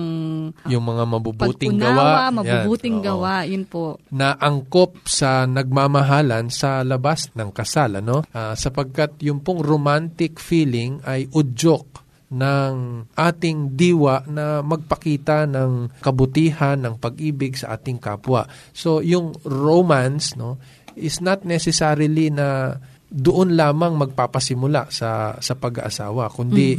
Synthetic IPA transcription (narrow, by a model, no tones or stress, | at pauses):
jʊŋmɐŋamɐbubːt̪ɪŋnɡɐwamɐjanbuːt̪ɪŋɡɐwaʔjʊnpoʔnɐʔɐŋkop̚sɐnɐɡ̚maːmɐɦaːlɐnsɐlɐbasnɐŋkɐsalʔɐno̞ʔasɐpɐɡ̚kat̪̚jʊŋpʊŋɾomant̪ɪkfiːlɪŋɐjʔʊd͡ʒok̚ | nɐŋʔaːt̪ɪŋd̪iːwɐʔnɐmɐɡ̚pɐkiːt̪ɐnɐŋkɐbʊt̪iːhɐnːɐŋpɐɡ̚ʔiːbɪɡsɐʔa̰ːt̪ɪŋka̰ːpwɐ̰ʔ | so̞jʊŋɹomansno̞ | ʔɪsnɐt̪̚nɛsɛsaːɾɪlinɐ | d̪ʊʔonlaːmɐŋmɐɡ̚papɐsɪmʊla̰ʔsɐ̰sɐpɐɡɐ̰ʔɐ̰sa̰ːwɐkʊnd̪i